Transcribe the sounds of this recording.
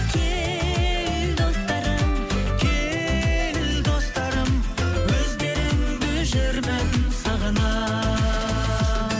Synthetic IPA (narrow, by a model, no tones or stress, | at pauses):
kʲʰe | ɪld̪o̞st̪ɑɾəmkʲʰe | ɪld̪o̞st̪ɑɾəm | wɵzɡʲe̞ɾɪmɪɡɪʒɪɾbed̪ɪnsɑʁənɑ